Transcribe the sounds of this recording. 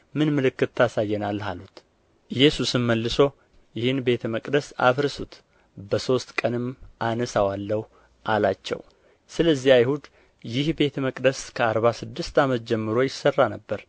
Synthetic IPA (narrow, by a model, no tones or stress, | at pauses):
mɨnmɨlɨkːɨt̪ːasajːɛnalːhalut̪ | ɨjɛsusɨnməlːɨso̞ | jɪhɨnbe̞t̪ʰəməkʼd̪əsa̰fɾsut̪ | bəso̞st̪kʼənɨmʔanəsawalːəhu | ʔalat͡ʃːɛ̰w | sɨləzːiajhud̪ | jɪhbe̞t̪ʰəməkʼd̪əskʰəaɾβasɨd̪ːɨst̪amət̪̚d͡ʒɛmːɨɾo̞jɪsərːanəbːəɾ